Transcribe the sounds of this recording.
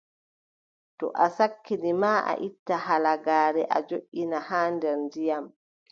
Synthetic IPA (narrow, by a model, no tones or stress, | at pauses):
tɔ̰ʔasakʰːinimaʔa̰ʔitːahalaɡaːɾɛʔa̰d͡ʒoʔːinahaːndɛɾndijam